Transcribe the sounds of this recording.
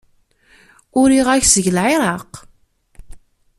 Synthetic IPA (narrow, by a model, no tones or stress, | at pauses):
ʊɾiʁæçsəʝlʕiɾˤɑq